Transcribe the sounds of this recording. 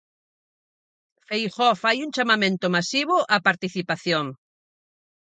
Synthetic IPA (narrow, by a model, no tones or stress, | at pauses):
fejxɔfajuŋt͡ʃamamẽnt̪ʊmasiβʊʔapaɾt̪iθipaθjoŋ